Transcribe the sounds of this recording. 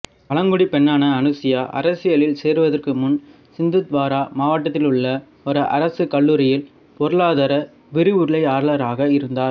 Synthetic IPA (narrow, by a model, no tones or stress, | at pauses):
ɐɭɐŋɡɯɽipɛɳːaːnɐːnɯsɪjaːʔɐ̰ɾɐsɪjɐlɪlseːɾʋɐðɐrkɯmʊn | sɪnd̪ɯd̪ʋaːɾaːmaːʋɐʈ̬ːɐt̪ːɪlɯɭːɐ | ɔɾɯʔɐ̰ɾɐsɯkɐɭːuːɾɪjɪl | pɔɾɯɭaːðɐɾɐ | ʋɪɾɯʊɾɯɭɐɪaːɾlɐɾaːɣɐɪɾɯnd̪aːɾ